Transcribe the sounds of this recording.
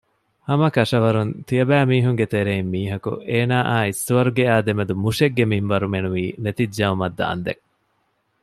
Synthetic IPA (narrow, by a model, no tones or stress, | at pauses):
hɐmɐkɐʂɐʋɐɾunt̪ijɐbæːmiːɦuŋɡet̪eɾeimːiːɦɐkṵeːnaːʔaːisːuʋɐɾuɡeaːd̪emed̪umuʃeɡːemimʋɐɾumenuʋiːnet̪id͡ʒd͡ʒɐumɐd̪ːa̰ːnd̪ḛŋ